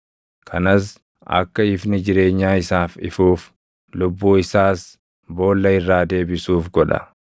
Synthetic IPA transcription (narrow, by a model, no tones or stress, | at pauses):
kʰɐnɐs | ɐ̰kːɐɪfnɪd͡ʒɪɾe̞ːɲːaːɪsaːfɪ̰fuːf | lʊbːuːɪsaːs | bo̞ːlːɐɪrːaːd̪e̞ːbɪsuːfɡɔᶑɐ̰